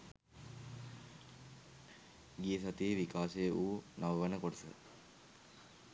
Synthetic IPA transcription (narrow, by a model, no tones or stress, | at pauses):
ɡijəs̬at̪ieʋikaːsejəʔuːnaʋəʋənəkoʈəsə̰